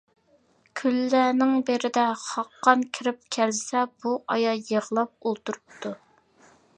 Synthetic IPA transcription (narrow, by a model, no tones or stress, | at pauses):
kʲʰylːænɪŋbeɾɪd̪ɛχɑqːɑnkʲʰɪɾɪp̚kʲʰɛlsɛb̥uʔɑjɑjəʁəlˠɑp̚olˠt̪uɾup̚t̪ʰu